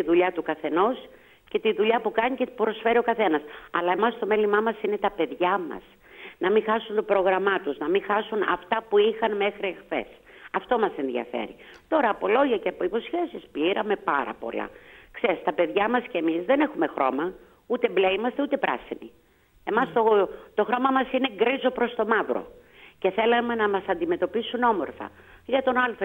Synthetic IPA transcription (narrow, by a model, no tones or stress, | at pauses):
t̪iðuʎɐt̪ukɐθe̞no̞s | ce̞t̪iðuʎɐpukɐɲiceupɾo̞sfe̞ɾio̞kɐθe̞nɐsɐlɐe̞mɐst̪o̞melimɐmɐsine̞t̪ɐpe̞ðʝɐmɐ̰s | nɐmixɐsunt̪opɾo̞ɣɾɐmɐt̪uznɐmixɐsunɐ̰ft̪ɐpuixɐnme̞xɾiexθe̞̰s | ɐft̪o̞mɐse̞nðiɐ̰fe̞̰ɾḭ | t̪o̞ɾɐːpo̞lo̞ʝɐceɐpoipo̞sçe̞sispiɾɐme̞pɐɾɐ̰po̞̰lɐ̰ksest̪ɐpe̞ðʝɐmɐscemizðe̞ne̞xume̞xɾo̞mɐ | ut̪embleimɐst̪eut̪e̞pɾɐ̰sinḭ | e̞mɐst̪ot̪o̞xɾo̞mɐmɐsine̞ɡɾizo̞pɾo̞st̪o̞mɐvɾo̰ | ce̞θe̞lɐme̞nɐmɐsɐnd̪ime̞t̪o̞pisuno̞mo̞ɾθɐ̰ʝɐt̪o̞nɐlf